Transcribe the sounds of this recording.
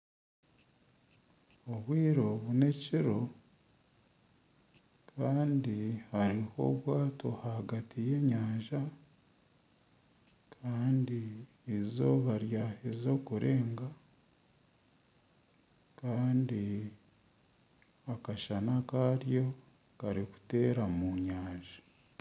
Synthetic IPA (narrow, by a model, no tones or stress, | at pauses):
oβwiːɾo̞βune̞ciɾo̞ | kʰaːndihaɾiho̞̰βwaːtʰo̞haɡatʰije̞ːɲaːʒa | kʰaːndi | ezo̞βaɾjahezo̞kuɾʔe̞ːŋɡa | kaːndi | akaʃanakaɾjo̞ | kaɾiku̥te̞ːɾamuɲaːʒḁ